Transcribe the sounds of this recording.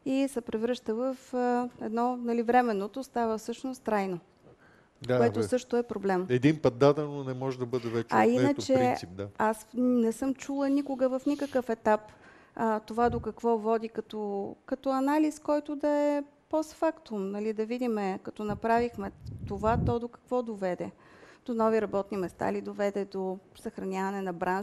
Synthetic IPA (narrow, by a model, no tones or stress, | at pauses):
isɛpɾɛvɾɤʃt̪əvəfəɛd̪nɔnɐlivɾɛmɛnːot̪ost̪avəfsɤʃnost̪ːɾajno | k̪oɛt̪osɤʃt̪oɛpɾoblɛmɛd̪inpət̪̚d̪ad̪ɛnnonɛmɔʒɛd̪ɐbɤd̪ɛvɛt͡ʃɐinətt͡ʃɛɾip̚d̪aasnɛsɤmt͡ʃulˠənikʊɡəvəfnikəkəfɛt̪ap | t̪ovad̪okɐkvɔvɔd̪ikɐt̪okɐt̪ɔɐnaliskɔjt̪ʊd̪ɐɛpɔsfakt̪omnɐlid̪ɐvid̪imɛkɐt̪ɔnɐpɾavixmɛt̪ovat̪ɔd̪okɐ̥kvɔd̪ovɛd̪ɛ | d̪̥onɔviɾɐbɔt̪nimɛst̪a̰lid̪ovɛd̪ɛd̪osɐxɾɐnʲavɐnɛnɐbɾanʒ